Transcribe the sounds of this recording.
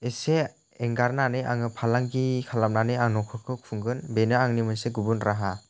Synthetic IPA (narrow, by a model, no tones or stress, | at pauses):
ese | eŋɡaɾnanɯjʔaŋɯpʰalaŋɡikʰalap̚nanɯaŋnɔkʰɯkʰɯkʰuŋɡɯnbenɯaŋnimɯnseɡubunɾaɦa